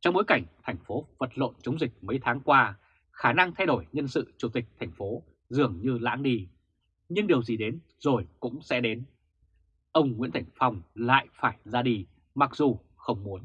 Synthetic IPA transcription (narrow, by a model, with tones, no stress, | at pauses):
t͡ɕɔ˧wŋ͡mɓo˨˦jka˧˩jŋ̟t̪ʰa˨˩jŋ̟fo˨˦və˨˩t̚lo̰˧˨nt͡ɕə˨˦wŋ͡mzï˨˩k̟̚mə˨˦jt̪ʰaː˨˦ŋkwaː˧ | xaː˧˩na˧ŋt̪ʰa˧jɗo˧˩jɲə˧nsɨ̰˧˨t͡ɕu˧˩t̪ï˨˩k̟̚t̪ʰa˨˩jŋ̟fo˨˦ | zɨ˨˩əŋɲɨ˧la̰ː˧˥nɗi˧ | ɲɨ˧ŋɗe˨˩əwzi˨˩ɗe˨˦n | zo˨˩jkʊ̰˧˥ŋ͡msɛ̰˧˥ɗe˨˦n | ʔə˧wŋ͡mŋḭ˧˥nt̪ʰa˧˩jŋ̟fa˧wŋ͡mla̰ː˧˨jfaː˧˩jzaː˧ɗi˧ | ma˨˩k̚zu˨˩ | xə˧wŋ͡mmu˨˦ən